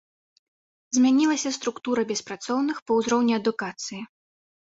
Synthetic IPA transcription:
zʲmʲanʲilˠɐsʲɐst̪ɾukt̪uɾɐbʲɛspɾat̪sɔwnɨxpɐwzɾɔwnʲiɐd̪ukat̪sɨji

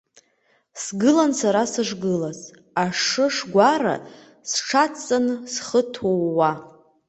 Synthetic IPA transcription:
sɡɨlansaɾasɨʐɡɨlaz | aʂɨʂɡʷaɾa̰ | sʈ͡ʂʰat͡sʼːansχətʰowːa

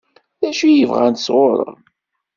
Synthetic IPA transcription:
ðæʃijəvʁænt̪sʁoɾˤə̰

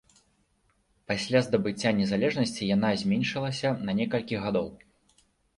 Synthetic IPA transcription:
pasʲlʲazd̪ɐbɨt͡sʲːanʲɛzalʲɛʐnɐsʲt͡sʲijan̪azʲmʲɛnʲʂɨlˠɐsʲɐnɐnʲɛkɐlʲkʲiɣad̪ɔw

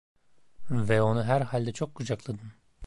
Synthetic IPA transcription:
vɛo̞nuɦæɾhalʲd̪ɛt͡ʃʰo̞kːud͡ʒaklˠad̪ɯm

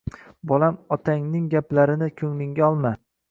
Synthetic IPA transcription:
bɒlamɒt̪ʰaŋnɪŋɡʲaplaɾɪnɪkʲʰɵŋlɪŋɡʲaɒlˠma

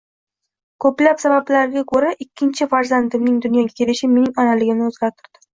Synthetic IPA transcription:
kʰɵplapsabablaɾɪɡʲakʰɵɾaʔɪkʲːɪnt͡ʃʰɪfaɾzand̪ɪmnɪŋd̪ʊnjɒɡʲakʲʰe̞lɪʃɪme̞nɪŋɒnalɪɡʲɪmnɪɵzɡʲaɾt̪ʰɪɾd̪ɪ

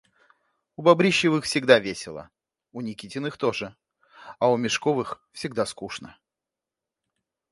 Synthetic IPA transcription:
ʊbɐbɾʲiɕːɪvɨxfsʲɪɡd̪avʲesʲɪlˠə̰ | ʊnʲɪkʲitʲɪnɨxt̪oʐɨ | ɐʊmʲɪʂkovɨxfsʲɪɡ̚d̪askuʂnə

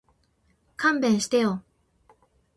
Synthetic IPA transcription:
kʰambẽnɕi̥t̪ejo

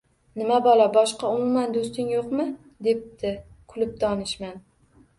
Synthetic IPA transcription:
nɪmabɒlˠabɒʃqɑʊmumand̪ost̪ɪŋjoqmɪ | d̪e̞p̚t̪ʰɪ | kʰʊlɪp̚d̪ɒnɪʃman

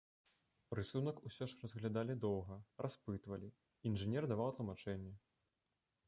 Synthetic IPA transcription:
rɨsunɐkusʲɔʂrɐzɣlʲad̪alʲid̪ɔwɣɐrʔaspɨt̪vɐlʲi | inʐɨnʲɛrd̪avawt̪lˠɐmat͡ʂɛnʲːɛ

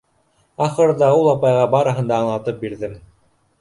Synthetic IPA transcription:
ɑχɤ̆ɾɤðɑulˠɑpɑjʁɑbɑɾɤ̆ɦɤ̆nd̪ɑːɴlˠɑt̪ɤp̚biɾðɘm

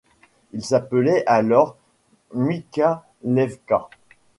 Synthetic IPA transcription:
ilsapəlɛʔalɔʁ | mika | lɛvka

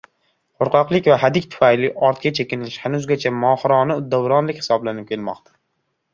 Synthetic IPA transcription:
qʰoɾqʰɑqlˠɪkʲvaɦad̪ɪkʲt̪ʰʊ̥fajlɪʔɒɾt̪̚kʲʰat͡ʃʰekʲɪnɪlɪʃhanʊzɡʲat͡ʃʰamɒːχɾɒnɪʊd̪ːavɾɒnlɪkʲhɪ̥sɒblanɪp̚kʲʰelmɒ̰qt̪ʰḁ

